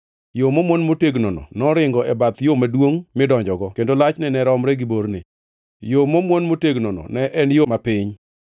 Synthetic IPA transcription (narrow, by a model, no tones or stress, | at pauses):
jomomwonmoteɡnonɔ̰nɔɾɪŋɡɔʔɛbat̪jomadwoŋmɪdɔɲd͡ʒɔɡɔkendolat͡ʃnɛnɛɾɔmɾɛɡiboɾnɪ̰ | jomomwonmoteɡnonɔ̰nɛʔɛnjomapɪɲ